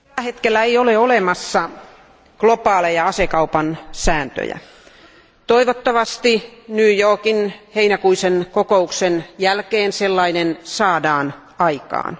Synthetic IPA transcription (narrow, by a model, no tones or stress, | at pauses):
æhet̪kelːæejoleolemɑsːɑ | klopɑːlejɑɑsekɑupɑnsæːnt̪ø̰jæ̰ | t̪oiʋot̪ːɑʋɑst̪inyːjoːkinheinækuisenkokouksenjælkeːnselːɑinensɑːdɑːn | ɑikɑ̰ːn